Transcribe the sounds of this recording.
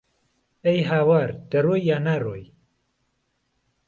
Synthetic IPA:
ɛjɦaːwaːɾd̪̥ɐroːjːaːnaːroːj

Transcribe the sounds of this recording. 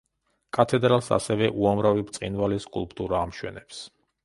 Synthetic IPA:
kʼat̪ʰɛd̪ɾalˠsa̰sɛvɛʔuamɾavipt̪sʼinvaliskʼṵlˠpʼt̪ʼuɾaːmʃwɛ̰nɛps

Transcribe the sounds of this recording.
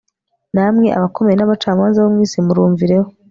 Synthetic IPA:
namŋe̞ʔa̰βako̞me̞jenaβat͡ʃaːmaːnzaβomŋiːsimuɾuːɱviɾe̞ho

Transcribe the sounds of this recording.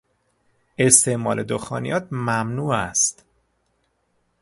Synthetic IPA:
e̞st̪ʰe̞ʔmɒ̰ːlʔed̪oxɒːnḭjɒːt̪̚mæmnuːæst̪

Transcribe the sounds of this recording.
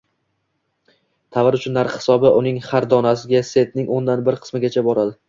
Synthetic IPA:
t̪ʰavɪɾʊt͡ʃʰʊnːaɾqhɪ̥sɒbɪʔʊnɪŋhaɾd̪ɒnasɪɡʲase̞t̪̚nɪŋʔond̪anbɪɾqʰɨ̥smɪɡʲat͡ʃʰabɒɾad̪ɪ

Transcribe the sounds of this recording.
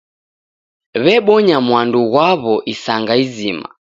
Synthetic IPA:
βɛɓɔɲamwanduɣwaβɔʔisaŋɡaizima̰

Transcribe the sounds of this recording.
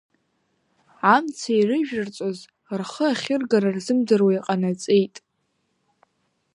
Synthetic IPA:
amt͡sʰajrɨʒᶣɨrt͡sʼoz | rχəaχʲɪrɡaɾarzɨmdɨrwaiqʼanat͡sʼejtʼ

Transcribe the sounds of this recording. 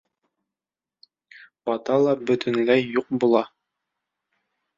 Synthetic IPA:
b̥ɒt̪ɑlˠɑbɵ̆t̪ʰɵ̆nlæjːuq̚bulˠɑ

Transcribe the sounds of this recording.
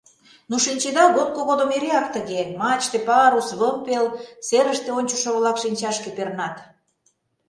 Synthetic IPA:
nuʃinʲt͡ɕed̪ɑɣot̪̚koɣod̪omeɾeɑk̚t̪əɣemɑt͡ɕt̪epɑɾusβəmpelseɾəʃt̪eonʲt͡ɕo̥ʃŏβlɑkʃinʲt͡ɕɑʃkepernɑt̪

